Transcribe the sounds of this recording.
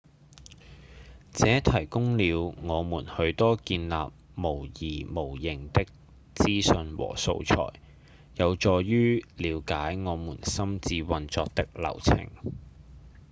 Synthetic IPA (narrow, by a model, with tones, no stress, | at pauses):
t͡sɛː˨˥t̪ʰɐ˨˩jkʊ˥ŋliː˨˧wŋɔː˨˧muː˨˩nhɵ˨˧ɥt̪ɔː˥kiː˧nla̰ː˨p̚mo˨˩wjiː˨˩mo˨˩wjɪ˨˩ŋt̪ɪ˥k̚ | t͡siː˥sɵ˧nwɔ̰ː˨˩so̰˧wt͡sʰɔ̰ː˨˩jː | ɐ˨˧wt͡ʃɔː˧jɥyː˥liː˨˧wkaː˨˥jŋɔː˨˧muː˨˩nsɐ˥mt͡siː˧wɐ˧nt͡sɔː˧k̚t̪ɪ˥k̚lɐ̰˨˩wt͡sʰɪ̰˨˩ŋ